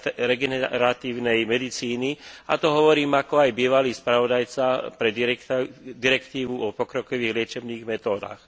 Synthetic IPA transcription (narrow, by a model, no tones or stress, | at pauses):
ɾɛɡɛnɛɾat̪iːʊnɛjmɛd̪it͡siːnia̰t̪ɔɦɔʋɔɾiːmakɔajbiːʋaliːspɾaʋɔd̪ajt͡sapɾɛ | d̪iɾɛkt̪iːʋuɔpɔkɾɔkɔʋiːɣlɪɛt͡ʃɛbniːɣmɛt̪ɔːd̪a̰ːx